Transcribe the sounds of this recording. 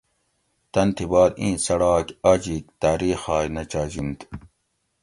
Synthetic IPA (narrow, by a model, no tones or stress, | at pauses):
t̪ɐnt̪ʰibɑːd̪ĩːsɐɽɑːkad͡ʑik̚t̪aːɾiːxɑːjnɐt͡ɕaːd͡ʑint̪